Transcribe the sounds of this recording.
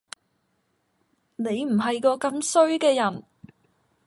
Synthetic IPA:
ne˨˧jm̩˨˩ɦɐ˨jkɔː˧kɐ˧msɵ˥ɥkɛː˧jɐ˨˩n

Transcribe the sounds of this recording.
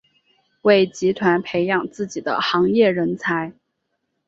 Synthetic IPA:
we˥˩ɪt͡ɕi˧˥t̪ʰwa˧˥npʰe˧˥ɪjɑ˨˩ŋt͡sɹ̩˥˩t͡ɕi˨˩d̪ə̰˦xɑ˧˥ŋjɛ˥˩ɻə˧˥nt͡sʰa˧˥ɪ

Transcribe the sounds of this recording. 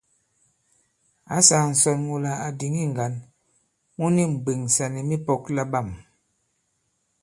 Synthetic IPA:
a˨˦sa˨n̩˨sɔ˨nwu˨la˨a˨di˨ŋi˦˨ŋ˨ɡa˨˦n | mu˦ni˦˨m̩˨be˨ŋsa˨ni˨mi˦pɔ˦kla˦ba˦˨m

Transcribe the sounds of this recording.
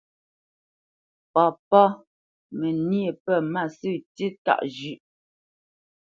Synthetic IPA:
pɔ˨pɔ˦ | mɛ˨nje˨pɛ˦˨ma˦˨sʉ˦˨ti˦ta̰˦˨ʔd͡ʒʉ˦ʔ

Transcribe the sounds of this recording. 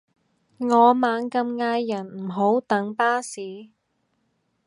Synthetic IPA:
ŋɔː˨˧maː˨˧˥nkɐ˧mŋaː˧jːɐ˨˩nm̩˨˩ɦo˨˥wt̪ɐ˨˥ŋpaː˥siː˨˥

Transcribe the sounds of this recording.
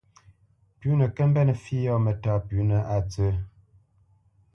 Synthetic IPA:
pʉ˨˦nə˨kə˦m˦bɛ˦˨nə˨fi˦jɔ˦mə˨taː˦˨pʉ˨˦nə˨ʔa˨t͡sə˨˦

